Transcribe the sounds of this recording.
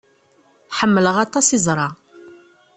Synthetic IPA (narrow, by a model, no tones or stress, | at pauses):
ħəmːələʁɑt̪ˤɑsizˤɾˤɑ